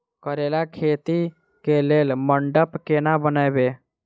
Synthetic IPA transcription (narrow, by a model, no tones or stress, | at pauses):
kəɾeːlakʰeːt̪i | keleːlməɳɖəpkenabənajbeː